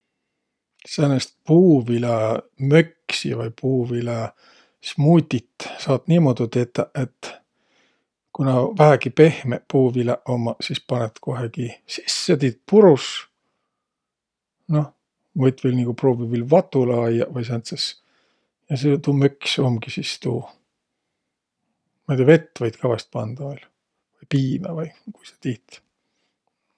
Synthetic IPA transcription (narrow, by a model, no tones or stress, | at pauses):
senest̪̚puːvile | møkːsḭvɑjpuːvile | smujt̪ʲːit̪ːsɑːt̪niːmod̪̥ut̪et̪ːɑet̪ː | kunɑvæhæɡipe̞hmepuːvileʔomːɑsispɑnet̪ko̞ɦekisi̥sːet̪it̪̚puɾus | no | vɤjt̪velniːkupro̞ːvivilvɑt̪ːˑulɑɑjːɑvɑjs̬ent̪ses | jɑset̪uːmøksomɡisist̪uː | mɑjd̪̥ʲiɑve̞t̪ːvɑjd̪̥kʰɑvɑst̪̚pɑnd̪̥ɑvɑjl | vɯjpiːmḛvɯjkujse̥t̪iːt̪